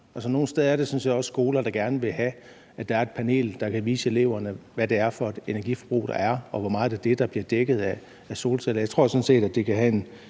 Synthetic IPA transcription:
ʔæsɒ̽no̝ːn̩sd̥eð̞ˠæɐd̥e̝synsḛjɑɒ̽sːɡ̥o̝ːlɐd̥ɑ̈ɡ̥æɐnəʋe̝ɦæ | æd̥ɑ̈æɐe̝d̥̚pʰæne̝̰ːld̥ɑ̈kʰæʋiːsəe̝le̝ʊ̰ɐnəʋæde̝æɐfɒ̽e̝d̥e̝næɐɡ̥ifɒb̥ʁṵːd̥ɑ̈æɐɒ̽ʋɒmɑ̈ːð̩ˠeɐd̥e̝d̥ɑ̈b̥liɐd̥eɡ̥ð̞̩ˠæː | so̝ːlsʰelɐjɑ̈ɪt͡sʰʁo̝ɐsɒ̽n̩se̝̰ːd̥æd̥e̝kʰæɦæe̝n

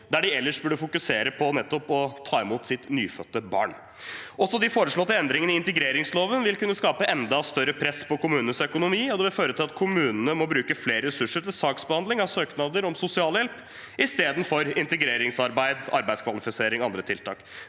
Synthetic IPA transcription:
d̪æɖɪɛlːəʂbʉɖːəfʊkʉseːɾəpʰɔnɛt̪ːɔpɔt̪ʰɑːɪmuːt̪sɪt̪nyːfœt̪ːəbɑ̰ːɳ | ɔsɔd̪ɪfoːɾəʂɭoːt̪ːɪɛnd̪ɾɪŋənɪɪnt̪əɡɾeːɾɪŋsloːʋənʋɪlkʉnːəskɑːpəʔɛnd̪ɑst̪œɾːəpʰɾɛspʰɔkʰʊmʉːnənəsœkʊnʊmiːɔd̪ɛʋɪlføːɾət̪ʰɪlɑt̪kʰʊmʉːnənəmɔbɾʉːkəfleːɾəɾɛsʉʂːəʈɪlsɑːksbəhɑnd̪lɪŋɑʋsøːknɑːd̪əɾɔmsʊsɪɑːljɛlp | ɪst̪eːd̪n̩fɔɾɪnt̪əɡɾeːɾɪŋsɑɾbæɪd̪ɑ̰ɾbæɪskʰʋɑlɪfɪseːɾɪŋɑnd̪ɾət̪ʰɪlt̪ʰɑ̰ːk

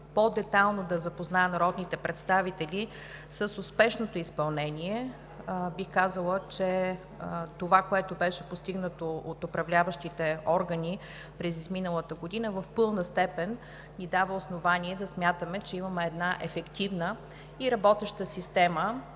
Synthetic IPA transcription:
pod̪ɛt̪alˠnod̪ɐzɐpoznaɛnɾɔd̪nit̪ɛpɾɛt̪st̪avit̪ɛli | səsʊspɛʃnot̪oispɐlˠnɛniɛ | bixkazəlˠət͡ʃɛ | t̪ovakoɛt̪obɛʃɛpost̪iɡnət̪oot̪opɾɐvlʲavəʃt̪it̪ɛɔɾɡəni | pɾɛzizminəlˠət̪əɡod̪inəvəfpɤlˠnəst̪ɛpɛnː | id̪avəosnovaniɛd̪ɐsmʲjat̪əmɛt͡ʃɛimɐmɛɛd̪naʔɛfɛkt̪ivnə | iɾɐbɔt̪ɛʃt̪əsist̪ɛmə

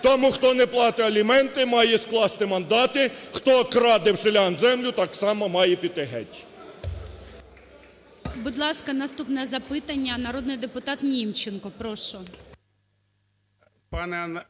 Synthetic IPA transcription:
t̪ɔmuxt̪ɔnɛplˠɑt̪ɪɐlʲimɛnt̪ɪmɑjɛsklˠɑst̪ɪmɐnd̪ɑt̪ɪxt̪ɔkɾɑd̪ɪwselʲɑnzɛmlʲʊt̪ɑksɑmɐmɑjɛpʲid̪̚eɦɛ̰tʲ | bʊd̪lˠɑskɐnɐst̪upnɛzɐpɪt̪ɐnʲːɐnɐɾɔd̪nɪjd̪epʊt̪ɑt̪nʲimt͡ʃenkɔpɾɔʃɔ | pɑnn

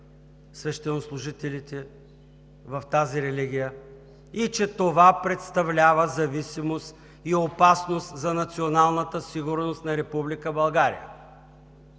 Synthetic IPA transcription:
svɛʃt̪ɛnoslˠʊʒit̪ɛlit̪ɛ | vɐft̪aziɾɛliɡ̟ʲijə | it͡ʃɛt̪ovapɾɛt̪st̪ɐvlʲavəzɐvisimost̪ | iopasnost̪zɐnɐt̪sionalˠnət̪əsiɡʊɾnost̪nɐɾɛpublikəbɐlˠɡaɾḭjə̰

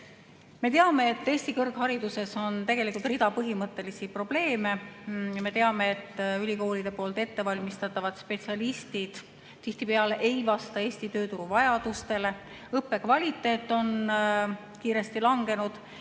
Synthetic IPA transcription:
me̞t̪eɑme̞ːt̪ːeːsʲt̪ikɤrɡɦɑɾid̪use̞so̞nt̪e̞ɡ̥e̞likːˑult̪rid̪ɑpɤɦimɤt̪ːˑe̞lisipro̞b̥le̞ːme̞jɑme̞t̪e̞ɑme̞et̪ːˑylʲiko̞ːlid̪̥e̞po̞ːlt̪e̞t̪ːe̞vɑlʲmist̪ɑt̪ːˑɑvɑd̪spe̞t̪siɑlist̪id̪̥ | t̪iht̪ipe̞ɑleʔe̞jvɑst̪ɑe̞ːst̪it̪ø̞ːt̪uɾuvɑjɑd̪̥ust̪e̞le̞ | ɤpːe̞kvɑlʲit̪ːˑe̞ːt̪ːˑo̞n | kiːɾe̞st̪ilɑŋɡ̥e̞nud̪̥

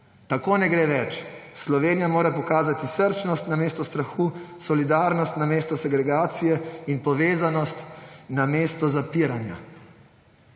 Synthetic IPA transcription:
t̪akoːnɛɡɾeːʋɛt͡ʃslɔʋeːnijamoːɾapɔkaːzat̪isəɾt͡ʃnɔst̪nameːst̪ɔst̪ɾaxuːsɔlid̪aːɾnɔst̪nameːst̪ɔsɛɡɾɛɡaːt̪sijɛinpɔʋeːzanɔst̪nameːst̪ɔzapiɾanja̰

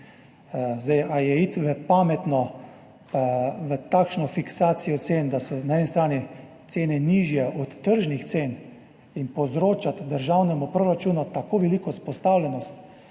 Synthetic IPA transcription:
zd̪ɛjʔajɛit̪ʋəpaːmɛt̪nɔ | paʋət̪akʃnɔfiksaːt̪sijɔt̪seːnd̪asɔnaɛnist̪ɾaːni | t̪seːnɛniːʒjɛʔɔt̪ːəɾʒnixt̪seːn | inpɔzɾoːt͡ʃat̪d̪əɾʒawnɛmupɾoɾat͡ʃuːnut̪akoːʋɛlikɔspɔst̪aːwlʲɛnɔst̪

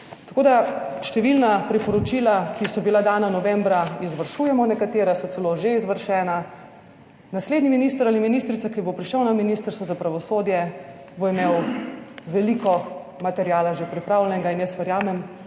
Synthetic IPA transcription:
t̪ḁkoːd̪aʃt̪ɛʋilnapɾipɔɾɔt͡ʃiːlakʰisɔbilad̪aːnanɔʋɛmbɾaizʋɐɾʃujɛmɔnɛkat̪eːɾɛsɔt̪sɛloʒeizʋəɾʃɛːna | nasleːd̪niminist̪əɾaliminist̪ɾit̪sakibopɾiʃəwnaminist̪əɾst̪ʋɔzapɾaʋɔsod̪jɛ | boimeːw | ʋɛlikɔ | mat̪ɛɾjaːlaʒepɾipɾawlɛnɛɡainjəsʋɛɾjaːmɛm

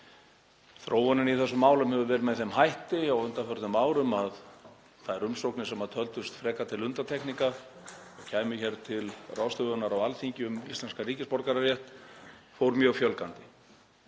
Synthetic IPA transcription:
θɾʔoːwvɔnɪniθɛsːʏmːaːwlʏmhɛvʏvɛːɾmɛðθɛmɦajht̪ɪawʏnt̪afœɾt̪nʏmaːwɾʏmað | θaðɛɾʏmsowknɪsɛmaðt̪ʰœlt̪ʏst̪fɾɛːkat̪ʰɪlʏnt̪at̪ʰɛknika | ɔɣcʰaːjmʏçɛɾt̪ʰɪlraːwst̪œɣʏnːaɾawalθiɲcɪʏmist̪lɛnskariːcɪspɔɾkaɾarjɛht̪fowɾmjœːɣfjœlkant̪ɪ

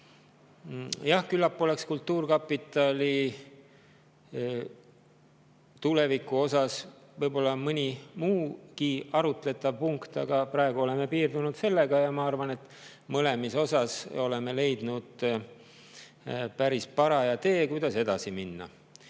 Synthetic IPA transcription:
jɑhkylːɑpːˑole̞kskult̪ˑːuːrkɑpːˑit̪ːˑɑlʲi | t̪ule̞vikːˑuo̞sɑsvɤjbo̞lːɑmɤnʲimuːkiɑɾut̪ˑle̞t̪ːˑɑvpuŋkt̪ɑ̰ɡ̥ɑpɾɑe̞ɡ̥uo̞le̞me̞piːrd̪unud̪se̞lːe̞ɡ̥ɑjɑmɑɑrvɑne̞t̪ːˑ | mɤle̞miso̞sɑso̞le̞me̞le̞jd̪̥nud̪̥ | pæɾispɑɾɑjɑt̪e̞ːkujd̪̥ɑse̞d̪̥ɑsiminːɑ̰

